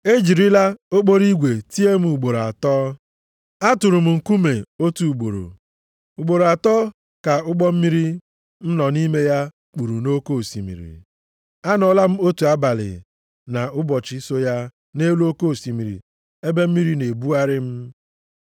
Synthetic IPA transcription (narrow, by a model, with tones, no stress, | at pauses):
e˦d͡ʒi˨ɾi˦la˦o˦ɡ͡bo˦ɾi˦ɡʷe˨ti˦e˦m̩˦u˨ɡ͡bo˨ɾo˨a̰˨tɔː˦ | a˦tʊ˨ɾʊ˨m̩˨ŋ̩˨ku˦me˨o˦tu˨u˨ɡ͡bo˨ɾo̰˨ | u˨ɡ͡bo˨ɾo˨a˨tɔː˦ | ka˨ʊ˦ɡ͡bɔ˦m̩˦mi˦ɾi˦ | n̩˦nɔ˨ni˦me˦ja˦ | k͡pu˨ɾu˨no˦ko˦˨si˨mḭ˨ɾḭ˨ | a˦nɔ˨la˦m̩˦o˦tu˨a˦ba˨lɪ̰˨ | na˨ʊ˦bɔ˨t͡ʃɪ˦so˦ja˦ | ne˦lo˦ko˦˨si˨mi˨ɾḭ˨ | e˦be˦m̩˦mi˦ɾi˦ne˨bu˦a˦ɾɪ˦m̩˦